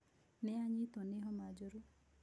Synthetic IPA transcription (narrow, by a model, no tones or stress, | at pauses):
nɛaɲit̪oneɦɔmad͡ʒoɾu